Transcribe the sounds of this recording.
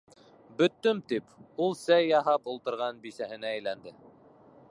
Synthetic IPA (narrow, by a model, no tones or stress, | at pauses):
bɵ̆t̪ːɵmt̪ipulˠsæjːɑɦɑpulˠt̪ɤ̆ɾʁɑnbisæhɘ̆næːjlænd̪ɘ